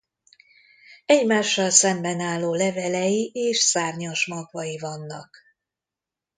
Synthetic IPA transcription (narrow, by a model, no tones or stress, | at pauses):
ɛɟmaːʃːɒlsɛmbɛnaːlːoːlɛvɛlɛjiʔeːʃsaːrɲɒʃmɒɡvɒjivɒnːɒk